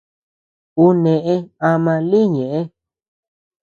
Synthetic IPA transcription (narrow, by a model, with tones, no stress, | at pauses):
u˧nẽ˧ʔẽ˧a˧mã˧li˦ɲẽ˨ʔẽ˦